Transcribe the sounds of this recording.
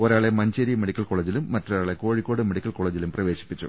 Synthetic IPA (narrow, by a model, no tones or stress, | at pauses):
oɾaːɭemɐɲd͡ʑeɾimeɽikʲːɐlko̞ːɭeːd͡ʑilumːɐtːroɾaːɭe̞ko̞ːɻikːo̞ːɽɨmeɽikʲːɐlko̞ːɭeːd͡ʑilumprɐʋe̞ːɕi̥pːit͡ɕːṵ